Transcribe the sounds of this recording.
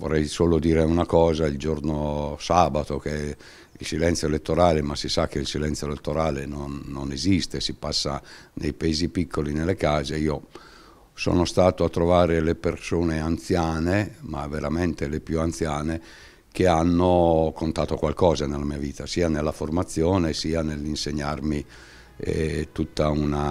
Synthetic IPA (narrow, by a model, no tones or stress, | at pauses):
vo̰rːɛjsoːlod̪iːɾeunakɔːzaild͡ʒornosaːbat̪ok̟e | ilsilɛnt̪sjoelet̪ːoɾaːlemasisakːeilsilɛnt̪sjoelet̪ːoɾaːlenonːonezist̪esipasːa̰nejpaeːzipikʰːolinelːekaːzeiːo | sɔ̰ːnost̪aːt̪oat̪ːɾovaːɾelepersoːneant̪sjaːnema̰vːeɾament̪elepjuant̪sjaːne | k̟eanːokont̪aːt̪okwalkɔːzanelːamiːaviːt̪asiːanelːaformat̪sːjoːnesiːanelːinseɲːarmi | ɛ̰t̪ut̪ːauna